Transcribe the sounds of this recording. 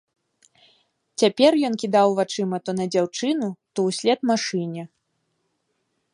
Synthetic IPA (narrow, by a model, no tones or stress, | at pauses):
t͡sʲapʲɛrjɔnkʲid̪awvat͡ʂɨmɐt̪ɔnɐd͡zʲawt͡ʂɨnut̪ɔwsʲlʲɛt̪maʂɨnʲɛ